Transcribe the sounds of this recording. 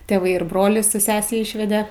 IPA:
tʲɛˈʋɐɪ ɪr ˈbroːlʲɪ sʊ ˈsʲæːsʲɛ ˈiːʃʲʋʲɛdʲɛ

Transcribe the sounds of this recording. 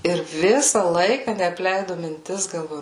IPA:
ɪr ˈʋʲɪsɐ ˈlˠɐɪkɐ nʲɛɐpʲˈlʲɛɪdʊ mʲɪnʲˈtʲɪs ɡɐlˠˈʋoːjʊ

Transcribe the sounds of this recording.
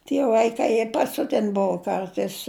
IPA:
tʲiɛ ʋɐɪˈkɐɪ jiɛ pɐˈsʲʊtʲɛn ˈbʊʋoː ˈkɐrtɐɪs

